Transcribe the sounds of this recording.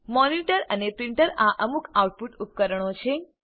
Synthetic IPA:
mɔniʈəɾənepɾiɳʈəɾaʔəmukʰawʈ̚puʈup̚kəɾəɳ̃ot͡ʃʰe

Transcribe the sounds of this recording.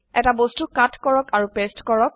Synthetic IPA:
ɛtabostukatʰkɔɹɔkaɹupestkɔɹɔk̚

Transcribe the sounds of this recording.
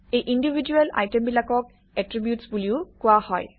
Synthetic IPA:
ejʔindibʱid͡ʒuɛla̰jtembilakɔk̚ | ɛtɹibjutsbuliʊkʊahɔ̰j

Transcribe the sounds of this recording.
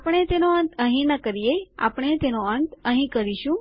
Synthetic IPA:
apəɽ̃et̪enoənt̪ə̃ɦĩnəkəɾijea̰pəɽ̃et̪enoənt̪ə̃ɦĩkəɾiʃũ

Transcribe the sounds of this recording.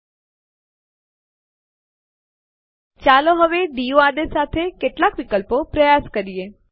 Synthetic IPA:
t͡ʃaloɦəʋeɖijoad̪esat̪ʰekeʈlakʋikəlpopɾəjaskəɾije

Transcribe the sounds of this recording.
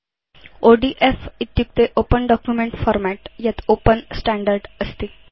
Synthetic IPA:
oɖiʔefit̪juk̚t̪eʔopənɖɔkjumẽɳʈfɔɾmæʈjat̪opənsʈæ̃ɳɖəɾɖəst̪e

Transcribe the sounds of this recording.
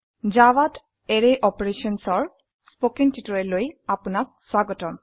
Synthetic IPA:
d͡ʒawat | ɛɹɛʔɔpɔɹesɔnsɔɹ | spokintitɔɹɛlojapunak̚swaɡɔtɔm

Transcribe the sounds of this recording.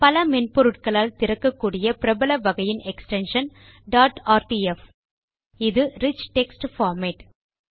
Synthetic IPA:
pɐlɐmɛnpɔɾɯʈ̚kɐɭaːlt̪ɪɾɐkːɐkːuːɽɪjɐpɪɾɐbɐlɐʋɐɣɐjɪnɛksʈɛnʂɐn | ɖaːʈaːɾʈiːɛf | ɪðɯɾɪt͡ʃːʈɛksʈfaːɾmeːʈ

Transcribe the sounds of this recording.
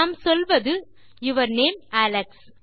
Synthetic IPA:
msɔlʋɐðɯ | ɪʋɐɾneːmæːlɛks

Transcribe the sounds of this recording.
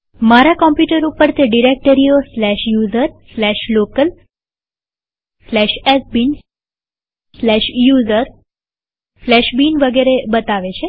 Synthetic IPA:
maɾakɔmpjuʈəɾupəɾt̪ʰeɖiɾek̚ʈəɾioslɛʃjuzəɾslɛʃlokəl | slɛʃɛsbin | slɛʃjuzəɾ | flɛʃbinʋəɡeɾebət̪aʋet͡ʃʰe

